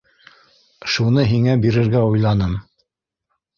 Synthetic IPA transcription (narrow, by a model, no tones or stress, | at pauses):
ʃunɤɦiŋæbiɾɘ̆ɾɡæujlˠɑnɤm